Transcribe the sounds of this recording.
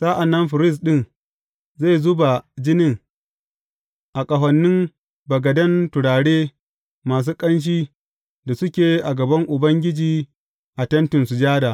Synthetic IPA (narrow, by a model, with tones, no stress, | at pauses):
saː˦ʔa˨nːɐ˦mɸɪ˨ɾɪ˦˨s̬ɗɪ˦n | za˦˨jzʊ˦ba˨d͡ʒɪ˦nɪ˦ŋ | ʔa˨kʼɐ˨ɦɐ˨nːɪ˦m | bɐ˨ɡɐ˨dɐ˦ntʊ˨ɽaː˨ɽeː˦ | maː˨s̬uː˦kʼɐ˦nʃ̬iː˦ | da˨sʊ˦kʲeː˨ʔa˨ɡɐ˨bɐ˦ŋʔʊ˨bɐ˦ŋɡʲɪ˦d͡ʒiː˨ | ʔa˨tɐ˦ntɪ˨nsu˨d͡ʒaː˦daː˨